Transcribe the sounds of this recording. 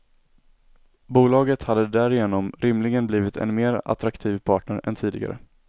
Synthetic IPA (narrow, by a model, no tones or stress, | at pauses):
buːlɑːɡət̪had̪ːəd̪æɾɪjeːnɔmɾɪmlɪɡənbliːvɪt̪ʰɛ̰nmeːɾa̰t̪ɾakt̪ʰiːvpʰɑːʈɳəɾɛ̰nt̪ʰiːd̪ɪɡa̰ɾə̰